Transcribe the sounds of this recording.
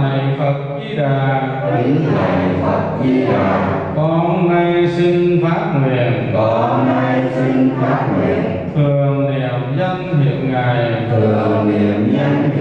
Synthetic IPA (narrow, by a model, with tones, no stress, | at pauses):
na˨˩˨fə˨˩t̚vi˧ɗaː˨˩˦ | i˨˦ŋta˨˩jfə˨˩t̚vi˧ɗaː˨˩ | kɔ˧˦na˧jsi˧ŋfaː˦˥t̚ŋwi˨˩ənkɔ˧˩ŋa˧jsi˧ŋfaː˦˥p̚ŋwḭ˨˩˨ən | t̪ʰɨ˨˩əŋnɛ˨˩əwzə˧nhḭ˨˩˨əw̚ŋa˨˩jt̪ʰɨ˨˩əŋnɛ˨˩əmɲə˧n